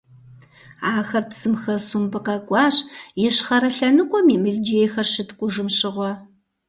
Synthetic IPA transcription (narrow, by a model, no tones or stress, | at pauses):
aːxɐrpsɨmxɐsumbɨqɐkʷʼɑːɕjɪɕχɐɾɐɬɐnɨqʷʼɔmiːmɨɮd͡ʒeːjxɐrʃɪtqʷʼʊʒɨmɕɪʁʷɔ